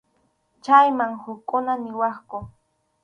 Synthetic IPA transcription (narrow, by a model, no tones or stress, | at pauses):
t͡ʃajmaŋhʊkkːʊnanɪwɑχkʊ